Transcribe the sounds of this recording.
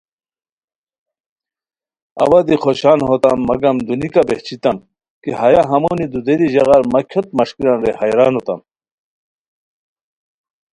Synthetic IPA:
ɐ̰wad̪ixoɕaːnɦot̪ɐmːɐɡɐmd̪unikabeht͡ɕʰit̪ɐm | kiɦɐjaɦɐmonid̪ud̪eɾiʑɐɣaɾmɐkʰot̪̚mɐʂkiɾanɾehɐjɾaːnot̪ɐ̰m

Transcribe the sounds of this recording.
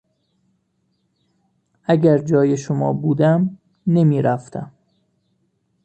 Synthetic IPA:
æɟæɾd͡ʒɒːje̞ʃomɒ̰ːbuːd̪æm | ne̞miːɾæft̪ʰæm

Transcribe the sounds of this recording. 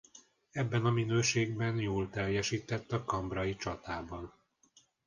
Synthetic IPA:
ɛbːɛnɒminøːʃeːɡbɛnjoːlt̪ɛrjɛʃiːt̪ɛt̪ːɒkɒmbrɒjit͡ʃɒt̪aːbɒn

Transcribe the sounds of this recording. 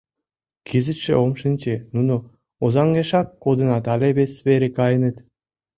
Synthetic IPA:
kʰizɘ̆t̪ʃḛomʃĭnt͡ɕenuno | ozɑŋɡeʃɑkːod̪ɯ̆nɑt̪ɑlʲeβesveɾekɑj̆nɨ̆t̪

